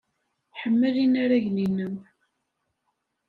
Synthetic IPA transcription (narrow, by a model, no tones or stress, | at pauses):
ħəmːəlinaɾæʝninəm